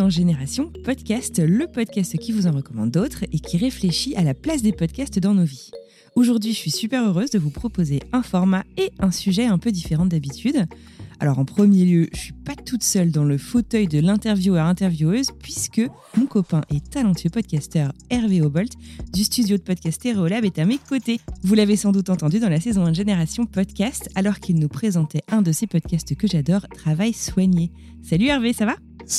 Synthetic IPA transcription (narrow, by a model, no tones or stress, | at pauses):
ɑ̃ʒeneʁasjɔ̃pɔd̪kʲast̪ləpɔd̪kʲast̪kʲivuzɑ̃ʁəkɔmɑ̰̃d̪ːot̪χekʲʰiʁefleʃiʔalaplasd̪epɔd̪kʲast̪d̪ɑ̃novi | oʒuʁd̪ɥiʒəsɥisypɛʁøʁøzd̪əvupχɔpozeɛ̃fɔʁmaeɛ̃syʒɛɛ̃pød̪ifeʁɑ̃d̪abit̪ʰyd̪ | a̰lɔʁɑ̃pχəmjeljøʒəsɥipat̪ut̪sœld̪ɑ̃ləfot̪œjd̪əlɛ̃t̪ɛʁvjuœʁɛ̃t̪ɛʁvjuøzpɥiskə | mɔ̃kɔpɛ̃ʔɛt̪alɑ̃t̪ʰɥøpɔd̪̚kʲast̪œʁɛʁveɔbɔlt̪d̪yst̪yd̪jod̪əpɔd̪̚kʲast̪eʁolabɛt̪amekot̪evulavesɑ̃d̪ut̪ɑ̃t̪ɑ̃d̪yd̪ɑ̃lasezɔ̃ɛ̃nʒeneʁasjɔ̃pɔd̪kʲast̪alɔʁkʰilnupχezɑ̃t̪ɛɛ̃d̪əsepɔd̪kʲast̪kəʒad̪ɔʁt̪χavajswaɲe | salyɛʁvesava